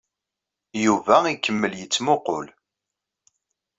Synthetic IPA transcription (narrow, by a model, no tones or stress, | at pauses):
juvæikːəmːəljət͡sːmoqʊ̰l